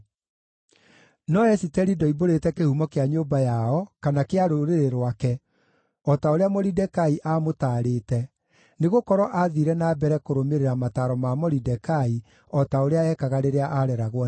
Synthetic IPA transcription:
nɔɛsitɛɾidɔiboɾetɛkehumɔkeaɲoːbajaɔkanakeaɾoɾeɾeɾwakɛ | ɔtaoɾeamɔɾidɛkaiʔamotaːɾeːtɛ | neɣokɔɾɔʔaðiɾɛnaːbɛɾɛkoɾomeɾeɾamataɾɔmamɔɾidɛkai | ɔtaoɾeaɛkaɣaɾeɾeaʔaɾɛɾaɣwɔ

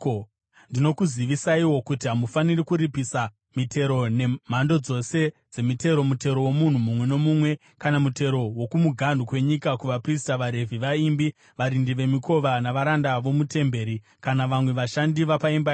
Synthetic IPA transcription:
ndino̞kuziʋisaiwo̞kutiɦamufanirikuɾipisa | mitʰe̞ɾo̞ne̞m̤ando̞d͡zo̞se̞d͡ze̞mite̞ɾo̞mute̞ɾo̞wo̞mun̤umumwe̞no̞mumwe̞ | kanamute̞ɾo̞wo̞kumuɡʱandʱukwe̞ɲikakuʋapris̬taʋaɾe̞vʱiʋaimbi | ʋaɾindiʋe̞miko̞ʋanaʋaɾandaʋo̞mute̞mbe̞ːɾi | kanaʋamwe̞ʋaʃandiʋapaimbai

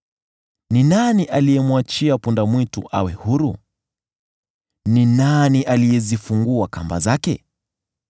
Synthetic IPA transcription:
ninaniʔalijɛmwat͡ʃiapundamwitṵʔa̰wɛhuɾu | ninaniʔalijɛzifuŋɡuakamba̰zakɛ̰

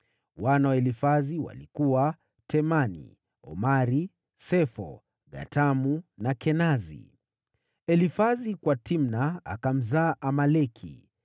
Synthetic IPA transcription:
wanawaɛlifaziwa̰likuwa | tʰɛmanḭ | ɔ̰maɾi | sɛfɔ̰ | ɡa̰tamunakɛnazḭ | ɛlifazikwatim̩naa̰kam̩zaːʔamalɛkʰḭ

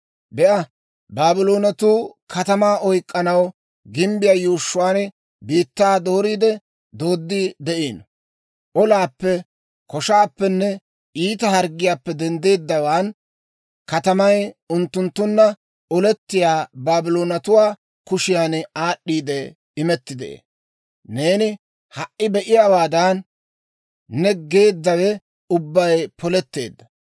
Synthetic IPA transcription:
bɛʔɐ | baːbɪlo̞ːnɐt̪uːkʰɐt̪ɐmaːʔɔjkʼːɐnɐw | ɡɪmbɪjaːjuːʃːʊwaːn | biːt̪ːaːd̪o̞ːɾiːd̪ɛ | d̪oːd̪ːɪd̪ɛʔeːn | ʔɔlaːpːɛ | kɔʃaːpːɛnːɛ | iːt̪ɐhɐɾɡɪjaːpːɛd̪ɛnd̪e̞ːd̪ːɐwaːn | kɐt̪ɐmɐjʊnt̪ːʊnt̪ːʊnːɐ | ɔlɛt̪ːɪjaːbaːbɪloːnɐt̪ʊwaː | kʊʃɪjaːnaːɗːiːd̪ɛ | ɪmɛt̪ːɪd̪ḛʔḛː | ne̞ːnɪ | hɐʔʔːɪbɛʔɪjaːwaːd̪ɐn | ɛɡe̞ːd̪ːɐwɛ | ʊbːɐjpʰɔlɛt̪ːe̞̰ːd̪ːɐ

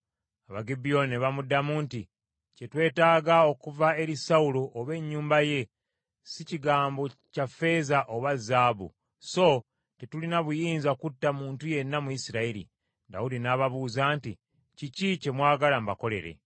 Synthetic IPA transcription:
aβaɡibijo̞neβamudamuːnti | ce̞twe̞ːtaːɡao̞kuvae̞ɾisaulo̞ʔːβe̞ɲːuːmbaje̞ | siciɡaːmbo̞cafe̞ːzaʔoβazːaːbṵ | so̞ | tetulinaβujiːnzakutːamuːntuje̞nːamuisiɾaiɾḭ | da̰udinaːβaβuːzaːnti | cicice̞mwaːɡalambako̞le̞̰ɾe̞̰

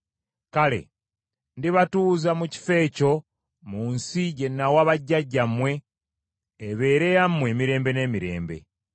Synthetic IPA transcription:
kale̞̰ | ndiβatuːzamuci̥fe̞ːco̞ | muːnsije̞nːawaβaɟːaɟːamwe̞ː | βe̞ːɾe̞jamːwe̞ːmiɾe̞ːmbe̞ne̞ːmiɾe̞̰ːmbe̞̰

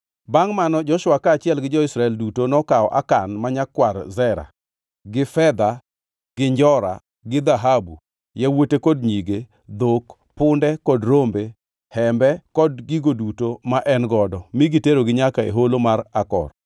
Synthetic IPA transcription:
baŋmanɔd͡ʒɔʃwakaːt͡ʃɪɛlɡɪd͡ʒɔɪsɾaɛldutonɔkaɔʔa̰kanmaɲakːwarzɛɾa̰ | ɡɪfɛd̪a | ɡ̥ɪɲd͡ʒɔɾa̰ | ɡɪd̪aɦabu | jɛwotekɔd̚ɲiɡe | d̪ok | pʊndɛkɔdɾombe | hɛmbɛkɔdɡiɡodutomaʔɛnɡɔdɔmiɡiteɾoɡɪɲakaḛɦolomarakɔ̰r

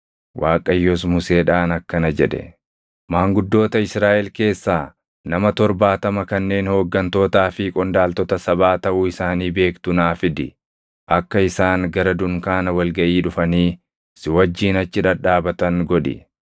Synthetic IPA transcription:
wʔaːkʼɐjːɔs̬mʊseːᶑaːnɐkːɐnɐd͡ʒɛᶑɛ̰ | maːŋɡʊd̪ːo̞ːt̪ɐɪsɾaːʔɛlke̞ːsːaː | nɐmɐt̪ɔɾbaːt̪ɐmɐkɐnːe̞ːnhoːɡːɐnt̪o̞ːt̪aːfɪkʼɔnd̪aːlt̪ɔt̪ɐsɐbaːt̪ɐʔuːɪsaːniːbe̞ːkt̪ʊnaːfɪd̪ɪ | ʔɐkːɐɪsaːŋɡɐɾɐd̪ʊŋkaːnɐwɐlɡɐʔiːᶑʊfɐniː | sɪwɐd͡ʒːiːnɐt͡ʃːɪᶑɐᶑaːbɐt̪ɐŋɡɔᶑɪ̰

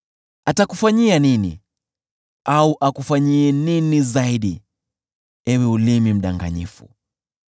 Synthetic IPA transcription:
atakufaɲianinḭ | auʔakufaɲiɛninizaiɗi | ɛwɛulimim̩ɗaŋɡa̰ɲḭfṵ

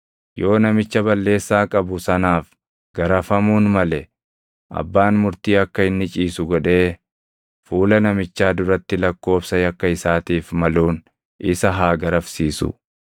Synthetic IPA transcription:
jo̞ːnɐmɪt͡ʃːɐbɐlːe̞ːsːaːkʼɐbʊsɐnaːf | ɡ̥ɐɾɐfɐmuːnmɐlɛ | ʔɐ̰bːaːnmʊɾt̪iːɐkːɐɪnːɪt͡ʃʼiːsʊɡɔᶑe̞ː | fuːlɐnɐmɪt͡ʃːaːd̪ʊɾɐt̪ːɪlɐkːo̞ːbsɐjɐkːɐɪsaːt̪iːfmɐluːn | ʔɪsɐɦaːɡɐɾɐfsiːsʊ̰

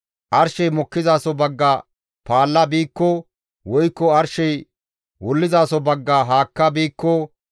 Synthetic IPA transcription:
ʔɐɾʃɛjmɔkːɪzaːsɔbɐɡːɐ | paːlːɐbiːkːɔ | wɔjkːɔɐɾʃɛj | wɔlːɪzaːsɔbɐɡːɐɦaːkːɐbiːkːɔ

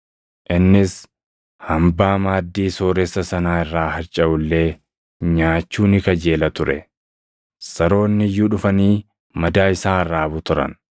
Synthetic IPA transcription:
ʔɪnːɪs | hɐmbaːmaːd̪ːiːso̞ːɾɛsːɐsɐnaːɪrːaːhɐɾt͡ʃʼːɐʔʊlːe̞ː | ɲaːt͡ʃːuːnɪkɐd͡ʒe̞ːlɐt̪ʊɾʔɛ̰ | sɐɾo̞ːnːɪjːuᶑʊfɐniː | mɐd̪aːɪsaːɪrːaːbʊt̪ʊɾɐ̰n

